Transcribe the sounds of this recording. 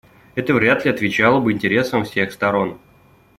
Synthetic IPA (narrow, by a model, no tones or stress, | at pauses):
ɛt̪əvɾʲat̪lʲɪɐt̪vʲɪt͡ɕalˠəbɨɪnʲtʲɪɾʲe̞səmfsʲe̞xst̪ɐɾo̞n